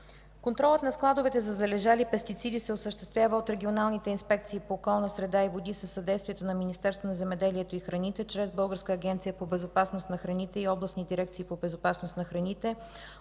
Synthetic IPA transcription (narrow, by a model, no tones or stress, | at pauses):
kont̪ɾɔlˠət̪nɐsklˠad̪ovɛt̪ɛzɐzɐlɛʒalipɛst̪it̪sid̪isɛosəʃt̪ɛ̥st̪vʲjavəot̪ɾɛɡʲionalˠnit̪ɛinspɛk̚t̪siːpoːkɔlˠnəsɾɛd̪aivod̪isəsːɐd̪ɛjst̪viɛt̪onɐminist̪ɛɾst̪vənɐzɛmɛd̪ɛliɛt̪oixɾɐnit̪ɛt͡ʃɾɛzbɤlˠɡəɾskəːɡʲɛnt̪sijəpobɛzopasnost̪nɐxɾɐnit̪ɛiɔblˠəsnid̪iɾɛkt̪siːpobɛzopasnost̪nɐxɾɐnit̪ɛ